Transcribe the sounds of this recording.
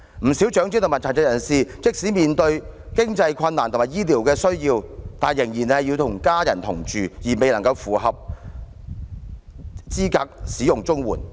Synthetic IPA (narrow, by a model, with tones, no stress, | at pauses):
m̩˨˩si˨˥wt͡ʃœː˨˥ŋt͡si˥t̪o˨mɐ˨˩t͡sʰa˨˩t͡sɛ˧˥jɐ˨˩nsiː˨t͡sɪ˥k̚siː˨˥miː˨nt̪ɵ˧ɥkɪ˥ŋt͡sɐ˧jkʷʰɐ˧nːaː˨˩nt̪o˨ŋmaː˨˩jiː˥liː˨˩wkɛː˧sɵ˥ɥjiː˧wt̪aː˨njɪ˨˩ŋjiː˨˩nhɐ˨jːiː˧wt̪ʰʊ˨˩ŋkaː˥jɐ̰˨˩nt̪ʰʊ˨˩ŋt͡ʃyː˨jiː˨˩me˨jlɐ˨˩ŋkɐ˧wfuː˨˩ɦɐ˨p̚ | t͡siː˥kaː˧k̚siː˨˥jʊ˨ŋt͡sʊ˥ŋwṵː˨˩n